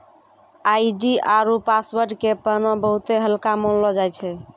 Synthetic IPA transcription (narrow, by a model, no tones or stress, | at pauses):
ajɖiaɾupaswəɾɖkepənɔ̃bəɦut̪eɦəlkamɔnlɔd͡ʒajt͡ʃʰɛ